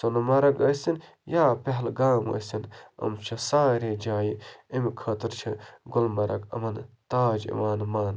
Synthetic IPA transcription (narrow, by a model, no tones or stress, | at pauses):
sonmɐɾɐkɐsin | jaːpeɦlɡaːmɐ̰sinɐ̰mt͡ʃʰɐsaːɾeːd͡ʒaːjiimkʰɐːt̪ɨɾt͡ʃʰɐɡʊlmɐɾɐ̰kɐ̰mɐnt̪aːd͡ʒḭʋaːnmaːn